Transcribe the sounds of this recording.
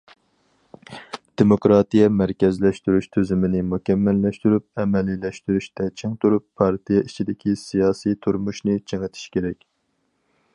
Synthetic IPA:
d̪̥emokɾɑːt̪ʰijɛmæɾkʲɛzlɛʃt̪yɾyʃt̪ʰøzymɪnɪmukʲɛmːɛlːɛʃt̪yɾyp̚ɛmɛlilɛʃt̪yɾyʃt̪ɛt͡ʃʰeŋt̪uɾupʰːɑɾt̪ʰijɛit͡ʃʰid̪ɪkʲʰisijɑːsijt̪ʰuɾmuʃnɪt͡ʃʰeŋɨt̪ʰi̥ʃkʲeɾɛkʲ

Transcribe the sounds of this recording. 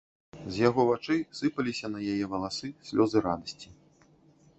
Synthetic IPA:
zʲjaɣɔvat͡ʂɨjsɨpɐlʲisʲɐnɐjajɛvɐlˠasɨsʲlʲɔzɨɾad̪ɐsʲt͡sʲi

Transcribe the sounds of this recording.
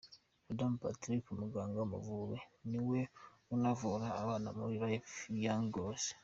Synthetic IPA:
adampatɾikumuɡaːŋɡamṵvuβeniwe | unavuɾaːβaːna̰muɾiɾaefijaŋɡose̥

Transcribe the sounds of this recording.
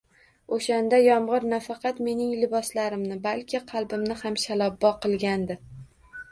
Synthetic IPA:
oʃand̪ajɒmʁɨɾnafɑqʰɑt̪me̞nɪŋlɪbɒslaɾɪmnɪbalkʲʰɪqʰɑlˠbɪmnɪhamʃalˠɒbːɒqʰɨlˠɡʲand̪ɪ

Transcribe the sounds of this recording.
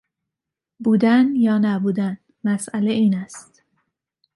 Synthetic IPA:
buːd̪ænjɒːnæbuːd̪æn | mæsʔæleiːnæst̪

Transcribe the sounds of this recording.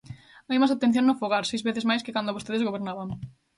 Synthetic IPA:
ajmasat̪ẽn̟θjõŋnofoɣaɾsejzβeθezmajskekand̪oβost̪eðezɣoβeɾnaβaŋ

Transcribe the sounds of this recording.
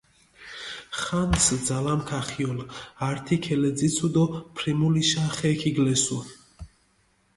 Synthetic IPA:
χansd̪zalamkʰaχiɔlaɾt̪ʰikʰɛlɛd̪zit̪sʰud̪ɔpʰɾimuliʃaχɛkʰiɡlɛsu

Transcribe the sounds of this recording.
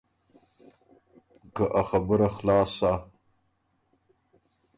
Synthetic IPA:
kaʔaxabəɾaxlɑːsa

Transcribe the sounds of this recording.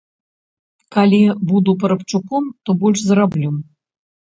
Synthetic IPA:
kalʲibud̪upɐɾɐpt͡ʂukɔmt̪ɔbɔlʲʂzrablʲum

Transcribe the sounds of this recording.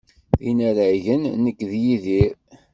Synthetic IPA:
inæɾaʝənnəkːðjiðiɾ

